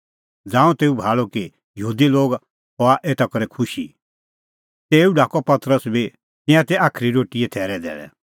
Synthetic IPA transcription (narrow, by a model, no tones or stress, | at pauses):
d͡zãːũt̪eːubʱaːɭoki | jəɦuːd̪iloːɡ | ɦɔaʔeːt̪ʰakɔɾɛkʰʊʃḭ | t̪eːuɖʱaːkɔpɐt̪ɾəsbi | t̪ɪ̃jãt̪ɛaːkʰɾiɾoːʈiɛt̪ʰɛːɾɛd̪ɛ̰ːɭɛ̰